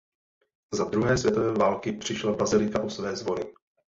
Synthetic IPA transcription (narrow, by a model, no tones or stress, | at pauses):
zad̪ɾuɦɛːsvjɛt̪ovɛːvaːlkɪpr̝̥ɪʃlabazɪlɪkaʔosvɛːzvo̞nɪ